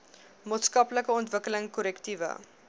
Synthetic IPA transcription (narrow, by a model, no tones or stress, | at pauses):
moːtskɐpləkəɔntvəkələŋkɔɾɛktivə̰